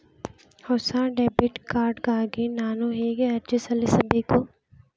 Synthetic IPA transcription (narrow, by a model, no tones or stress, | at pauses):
hɔːsãːɖeːbiʈkaːɾɖkaːɡenaːnoɦeːɡeɐɾd͡ʒəsɐlesɐbʱikoː